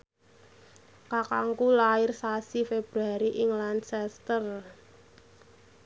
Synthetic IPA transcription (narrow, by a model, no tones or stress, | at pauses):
kakaŋkulaɪrsasifeb̥ɾuaɾiʔɪŋlansɛst̪ər